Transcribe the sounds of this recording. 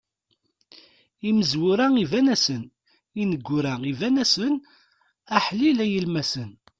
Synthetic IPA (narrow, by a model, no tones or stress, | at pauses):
iməzwʊɾæivænæsən | inəɡʷːʊɾæivænæsən | æħlilæjəlmæsən